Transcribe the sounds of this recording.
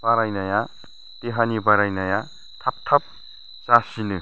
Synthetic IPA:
paɾajnɐja | t̪eɦanibaɾajnaja | t̪ʰap̚t̪ʰɐp̚ | t͡sasinɯ

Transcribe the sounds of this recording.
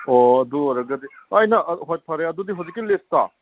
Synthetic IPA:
oɐduɔɾɐɡɐdiɐjnɐʔɦojt̚pʰaɾejadudiɦawzikːilesta

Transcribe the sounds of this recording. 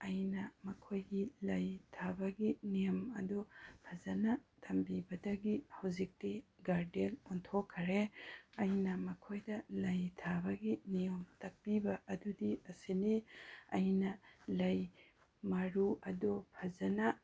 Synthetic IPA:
ɐjnɐmɐkʰojɡilɐjtʰabɐɡinijɐmɐ̰dupʰɐzɐnɐtʰɐmbibɐdɐɡihɐwzik̚tiɡaɾdelɔntʰokʰːɐɾeɐjnɐmɐkʰojdɐlɐjtʰabɐɡinijomtɐk̚pibɐʔɐdudiɐsiniɐjnɐlɐj | mɐɾuɐdupʰɐzɐnɐ

